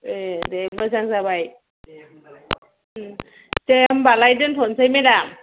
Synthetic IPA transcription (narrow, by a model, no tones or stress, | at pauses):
edemɯzaŋsabaj | seambalajdɯntʰɔnsʰajmedam